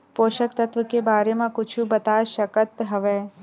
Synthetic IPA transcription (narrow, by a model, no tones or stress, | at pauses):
poːʃəkt̪ɐt̪ʋəkebaːɾemãkʊt͡ʃʰũbɐt̪aːʃɐkət̪ɦɐʋeː